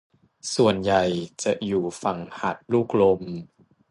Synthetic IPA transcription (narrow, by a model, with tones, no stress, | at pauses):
su˨˩ənja˨˩jt͡ɕa˨˩ʔjuː˨˩fa˨˩ŋha˨˩t̪̚luː˥˩k̚lo˧m